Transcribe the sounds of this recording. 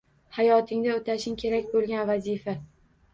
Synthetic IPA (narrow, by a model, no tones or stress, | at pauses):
hajɒt̪ʰɪŋd̪aot̪ʰaʃɪŋkʲʰe̞ɾakʲbolɡʲanvazifa